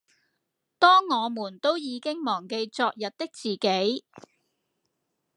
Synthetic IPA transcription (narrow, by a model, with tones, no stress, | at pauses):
t̪ɔː˥ŋːɔː˨˧muː˨˩nt̪o˥wjiː˨˧kɪ˥ŋmɔː˨˩ŋke˧jt͡sɔː˧k̚jɐ˨t̚t̪ɪ˥k̚t͡siː˨ke˨˥j